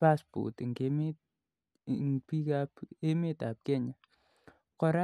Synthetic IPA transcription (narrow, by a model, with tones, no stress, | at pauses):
a˦spṵ˨tŋɡe˦m˦ | ŋpi˦ka˦pe˦me˦ta˨p̚kɛ˦ɲa˨ | kɔ˨ɾa˦